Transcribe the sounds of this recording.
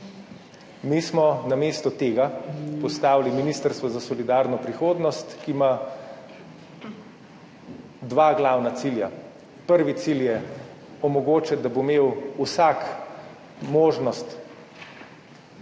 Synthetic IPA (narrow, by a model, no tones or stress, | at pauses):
mismɔnameːst̪ɔt̪eːɡapɔst̪aːwliminiːst̪əɾst̪ʋɔzasɔlid̪aːɾnɔpɾixoːd̪nɔst̪kima | d̪ʋaːɡlaːwnat̪silja | pəɾʋit̪siljɛ | ɔmɔɡoːt͡ʃɛd̪abomeːwusak | moːʒnɔst̪